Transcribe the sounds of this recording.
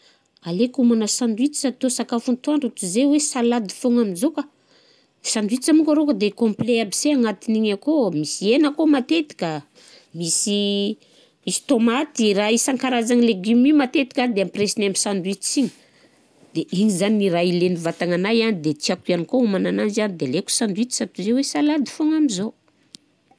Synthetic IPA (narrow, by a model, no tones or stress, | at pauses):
alekumanasand̪wit͡si̥sat̪osakafunt̪uaɳɖ͡ʐut̪uzewesalad̪i̥foŋaminzoka | sand̪uit̪amukʲəɾokəd̪ekõmpleabiseaŋat̪iniɲakomisienəkomat̪et̪i̥kə | misi | misi̥t̪omat̪iraisaŋkaɾazaŋileɡimimat̪et̪i̥kad̪eampresinamisand̪uit̪i̥t͡siɲə̥ | d̪̥eʔiɲizaniiɾailenivat̪aŋanajanid̪et͡siakuanikoumanananzanid̪eleku̥sand̪uit͡s̪i̥sat̪uzewesalad̪i̥foŋamizo